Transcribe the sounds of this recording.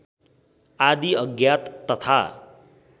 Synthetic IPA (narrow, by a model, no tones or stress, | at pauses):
ad̪iʌɡjat̪ːʌt̪ʰa̰